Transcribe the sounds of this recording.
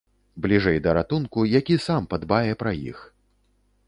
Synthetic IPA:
blʲiʐɛjd̪ɐɾat̪unkujakʲisampad̪bajɛpɾɐjḭx

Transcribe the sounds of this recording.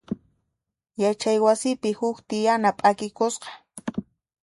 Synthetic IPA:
jat͡ʃajwasɪpɪhʊkt̪ɪjanapʼakɪkosqɑ̥

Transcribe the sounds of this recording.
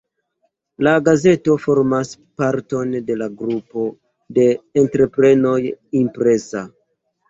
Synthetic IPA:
laɡaze̞to̞fo̞ɾmas | paɾto̞nde̞laɡɾupo̞ | de̞ːntɾe̞pɾe̞no̞jimpɾe̞sa

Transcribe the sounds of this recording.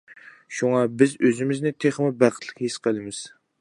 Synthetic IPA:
ʃuŋɑbɪzøzɪmɪznɪt̪ʰeχmɨbæq̪lˠɪkʲhisqʰəlˠɨmɪz̥

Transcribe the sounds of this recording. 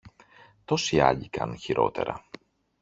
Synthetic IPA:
t̪o̞siɐʎikɐnunçiɾʔo̞t̪e̞ɾɐ

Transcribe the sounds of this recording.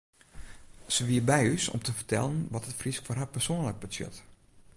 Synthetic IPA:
səʋiəbɛjysɔ̰mtʰəfərtʰɛ̰lˠənʋɔtətfriskforɦapərsoənlək̚bəsjø̰t

